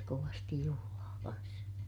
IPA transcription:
koʋɑstij juhulɑː kɑns

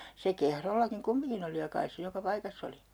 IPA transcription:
se kehrolːɑkiŋ kumːiŋkin oli jɑ kɑis se jokɑ pɑikɑsː oli

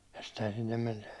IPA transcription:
jɑ stehæn sinːem men

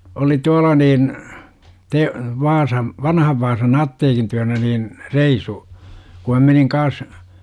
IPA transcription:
oli tuɑlɑ niːn te ʋɑːsɑm ʋɑnhɑʋ ʋɑːsɑn ɑtːeːkin tyænæ niːn reisu ku mæ meniŋ kɑːs

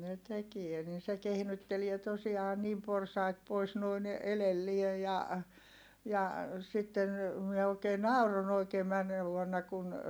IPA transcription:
ne tekie nin̞ se kehnytːelie tosiɑː niːm porsɑit pois noin elelːie jɑ jɑ sitːen mie oˑikeː nɑˑuron oikeː mænːeː ʋuonːɑ kun

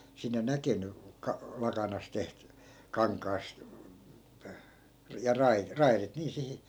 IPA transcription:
sinːe nækeny kɑ lɑkɑnɑs teht kɑŋkˑɑːst̆ jɑ rɑi rɑirit niː sihi

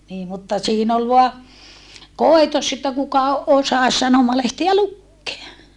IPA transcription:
niː mutːɑ siːn ol ʋoɑ koˑitos etːæ kukɑ osɑs sɑnomɑlehtiæ lukːeɑ

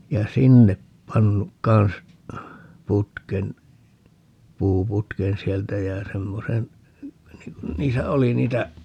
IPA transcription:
jɑ sinːep pɑnːuk kɑn̞s putken puːputken sieltæ jæ semːosen niŋ kun niːsæ oli niːtæ

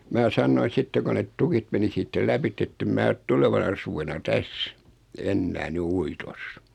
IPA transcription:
mæː sɑnːoin̞ sitːe ko net tukit meni siːtːæ læpitː etːem mæː ŏt tuleʋɑnɑ suʋenɑ tæs enːæː ny uitos

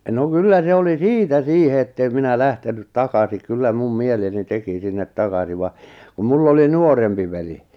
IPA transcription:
no kylːæ se oli siːtæ siːhe etːeˑm minæ læhtenyt tɑkɑsi kylːæ mum mieleni teki sinːet tɑkɑsi ʋɑ kum mulː oli nuorempi ʋeli

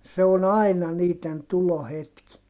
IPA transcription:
se on ɑi̯nɑ niːtˑen tulohetki

